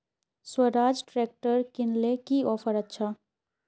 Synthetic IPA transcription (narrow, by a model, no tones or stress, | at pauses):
swəɾaːd͡ʒʈɾeːk̚ʈəɾkɪnlekiɔːpʰəɾətːʃʰa